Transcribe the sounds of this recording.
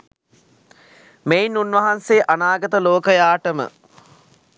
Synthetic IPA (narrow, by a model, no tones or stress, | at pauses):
meinunʋɐɦanseːʔanaːɡət̪əloːkəjaːʈəmə̰